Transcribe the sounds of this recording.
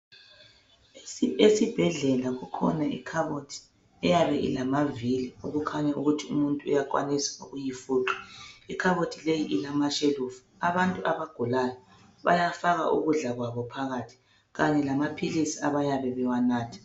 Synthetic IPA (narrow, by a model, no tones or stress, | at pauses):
esib̥ʱɛɮɛlaɣukʰɔ̰naḭkʰaβotʰi̥ | ɛjaβɛʔḭlamaviliuɣukʰaɲauɣutʰiumuntʼuṵjakʼwa̰nisḁuɣujifuːǁi̥ikʰaβotʰilejiʔilamaʃeluːfu̥aβantʼuaβaɡ̥ʱulajɔ | βa̰jafaɣa̰ʔṵɣuɮaɣwaβɔpʰaɣaːtʰi̥ | ɣaɲɛlamapʰilisiaβajaβɛβɛwanaːtʰḁ